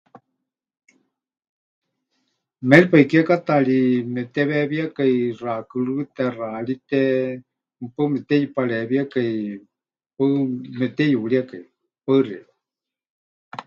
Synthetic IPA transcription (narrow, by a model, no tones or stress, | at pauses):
mɛlipaikakat̪alimɛt̪ɛβɛβiakairakɨlɨt̪ɛralit̪ɛ | mpɨmɛt̪ɛjipaɺɛβiakai | pamɛt̪ɛjuɺiakai | parɛ̰a